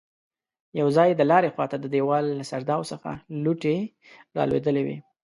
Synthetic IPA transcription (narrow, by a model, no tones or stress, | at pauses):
jawzɑjd̪əlɑɾexwɑt̪ad̪əd̪ewɑlːasaɾd̪ɑwsəxa̰luʈe | ɾɑ̰lwḛd̪əlewḭ